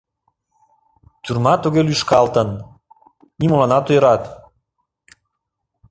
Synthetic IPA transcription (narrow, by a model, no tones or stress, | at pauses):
t̪yrmɑt̪uɣelyʃkɑlt̪ən | nimolɑnɑt̪ojɾɑt̪